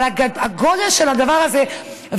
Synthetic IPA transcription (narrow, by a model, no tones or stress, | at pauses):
aaaɡod̪elʃelad̪avaʁaze | v